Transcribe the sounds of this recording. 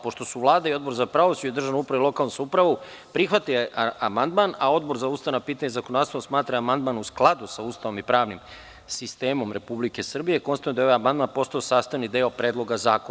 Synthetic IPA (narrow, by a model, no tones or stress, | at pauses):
po̞ʃt̪osuʋlˠaːd̪aio̞d̪̚bo̞ɾzapɾaʋosuuid̪r̩ʒaʋnupɾaʋailo̞kalnusupɾaʋu | pɾixʋat̪ijamand̪manao̞d̪̚bo̞ɾzauːst̪aʋnapiːt̪aɲezakonod̪ast̪aosmaːt̪ɾaamand̪manusklˠad̪usauːst̪aʋo̞mipɾaːʋnim | sist̪e̞ːmo̞mɾe̞publike̞sr̩bije̞konsajnd̪ajoʋajamand̪manpo̞st̪ajosaːst̪aʋnid̪eːopɾeːd̪lˠo̞ɡazaːko